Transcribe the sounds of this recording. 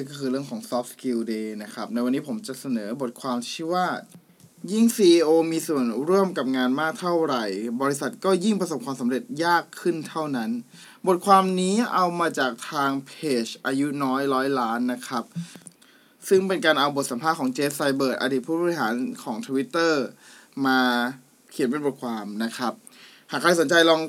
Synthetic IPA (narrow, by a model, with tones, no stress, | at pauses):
ŋkɔː˥˩kʰɯː˧ɾɯ˥˩əŋkʰɔː˩˦ŋsɔː˦˥p̚ski˧wdeː˧na˦˥kʰa˦˥p̚na˧jwa˧nːiː˦˥pʰo˩˦mt͡ɕa˨˩sa˧nɤː˩˦bo˨˩t̪̚kʰwaː˧mt͡ɕʰi˥˩waː˥˩t̪̚ | ji˥˩ŋsiː˧ʔi˧ʔoː˧miː˧su˨˩ənɾu˥˩əmka˨˩p̚ŋaː˧nmaː˥˩k̚t̪ʰa˥˩wɾa˨˩jbɔː˧ɾi˦˥sa˨˩t̪̚kɔː˥˩ji˥˩ŋpʰɾa˧so˨˩p̚kʰwaː˧msa˩˦mɾe˨˩t̪̚jaː˥˩kʰːɯ˥˩nt̪ʰa˥˩wna˦˥n | bo˨˩t̪̚kʰwaː˧mniː˦˥ʔa˧wmaː˧t͡ɕaː˨˩k̚t̪ʰaː˧ŋpʰeː˨˩t͡ɕʔaː˧ju˦˥nɔː˦˥jlɔː˦˥jlaː˦˥nːa˦˥kʰa˦˥p̚ | sɯ˥˩ŋpe˧nkaː˧nʔa˧wbo˨˩t̪̚sa˩˦mpʰaː˥˩kʰːŋt͡ɕeː˦˥fsa˧jbɤː˨˩t̪̚ʔa̰˧diː˨˩t̪̚pʰuː˥˩bɔː˧i˦˩ɦaː˩˦nkʰɔː˩˦ŋt̪ʰu˧wi˦˥t̪ːɤː˥˩maː˧ | kʰi˨˩˦npe˧nbo˨˩t̪̚kʰwaː˧mna˦˥kʰɾa˦˥p̚ | haː˨˩kʰaː˧jso˩˦nt͡ɕa˧jlɔː˧ŋ